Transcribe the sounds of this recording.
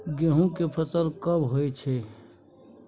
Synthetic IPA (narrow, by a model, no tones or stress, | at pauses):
ɡeɦũkepʰət̪əlkɐbɦoːet͡ʃʰe